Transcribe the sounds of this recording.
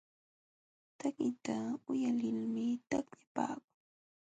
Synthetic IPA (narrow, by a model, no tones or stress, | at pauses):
t̪akɪt̪aʊjalɪlmɪt̪akʎapa̰ːkʊŋ